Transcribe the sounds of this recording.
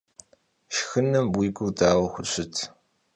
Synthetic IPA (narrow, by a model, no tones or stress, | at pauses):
ʃxɨnːɨmbwiːɡʷʊdaːwɐxʷʊɕʷɪtʰ